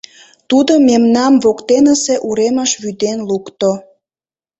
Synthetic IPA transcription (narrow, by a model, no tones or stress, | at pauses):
t̪ud̪omemnɑmβokt̪enəseʔuɾeməʃβyd̪enlukt̪o